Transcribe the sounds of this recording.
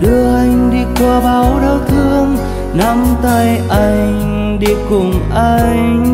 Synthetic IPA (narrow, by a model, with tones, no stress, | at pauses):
ɗɨ˧˩əʔa˧jŋ̟ɗi˧kwa˧ɓaː˨˦wɗaː˧˦wt̪ʰɨ˧əŋ | na˧˥mt̪a˧jʔa˧jŋ | ɗi˧˩kʊ˨˩ŋ͡mʔa˧j